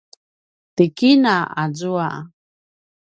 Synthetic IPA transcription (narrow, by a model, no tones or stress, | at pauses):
t̪ikinaazua